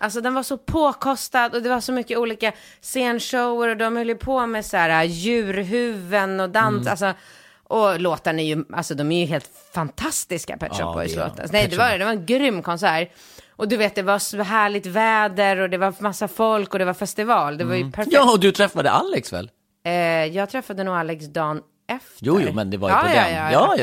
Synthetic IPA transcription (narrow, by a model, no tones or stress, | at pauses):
ʔals̬ɔd̪ɛnvaʂɔpʰoːkʰɔst̪ad̪ɔd̪ɛvaɾʂɔmʏkːəuːliːka | seːnʂoʊəɾɔd̪ɔmhœlːjəpʰomɛsæːɾajʉ̟ːɾɦʉ̟ːvənɔd̪ansa̰ls̬ɔ | ʔɔloːt̪əɳɪjɵʔa̰lsɔd̪ɔmæɾjɵɦeːlt̪ | fant̪ʰast̪ɪska̰pʰɛ̰t̪ɾɔ̰bɔ̰jslo̰ːt̪ə̰snɛjd̪ɛvad̪ɛvaɾɛnɡɾʏmːkʰɔnsæːɾ | ʔɔd̪ɵveːt̪̚d̪ɛvasɦæːɭɪt̪vɛːd̪əɾɔd̪ɛvaɾmasːafɔlkɔd̪ɛvaɾfɛst̪ɪvɑːld̪ɛvajpʰæɾfjːɔd̪ɵt̪ʰɾɛfːad̪ə̰ʔa̰lːɛksvɛ̰lː | jɑːɡt̪ʰɾɛfːad̪ənuːɡalːɛksd̪ɑːn | ʔɛft̪juːəjɾmɛnd̪ɛva̰ɑːjɑjɑːɑ